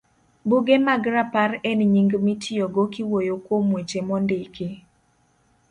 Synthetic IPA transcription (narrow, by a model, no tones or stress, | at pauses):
buɡemaɡɾaparɛnɲiŋɡmitʰɪoɡokɪwojokwomwet͡ʃemɔndɪke